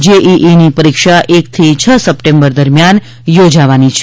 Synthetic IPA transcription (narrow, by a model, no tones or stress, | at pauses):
d͡ʒeʔiʔinipəɾikʃaʔek̚t̪ʰit͡ʃʰəsəpʈẽmbəɾd̪əɾmjan | jod͡ʒaʋanit͡ʃʰ